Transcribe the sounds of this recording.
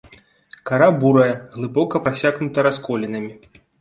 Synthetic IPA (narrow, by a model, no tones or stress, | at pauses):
kaɾabuɾɐjɐɣlˠɨbɔkɐpɾasʲaɣnut̪ɐɾaskɔlʲinɐmʲi